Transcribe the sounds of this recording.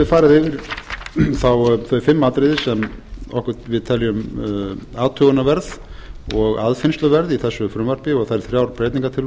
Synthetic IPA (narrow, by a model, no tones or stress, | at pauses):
ɪðfaːɾɪðɪːvɪɾ̥ | θawθœɥfɪmːat̪ɾɪðɪsɛmɔhkʏt̪vɪðt̪ʰɛlːjʏm | aːðt̪ʰœːɣʏnavɛɾðɔɣaðfɪnst̪lʏvɛɾðiθɛsːʏfɾʏmvaɾ̥pɪɔɣθaɾθɾjaːwɾpɾeːjt̪niŋkat̪ʰɪl